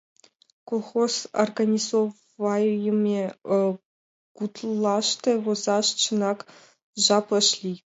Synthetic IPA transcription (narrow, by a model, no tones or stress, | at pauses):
kolˠχozo̰rɡanʲizov | ɑjjəmʲe | kut̪lˠɑʂt̪ɤ̆vozɑʂt͡ɕə̆nɑk | ʒɑpɤ̆ʃlʲi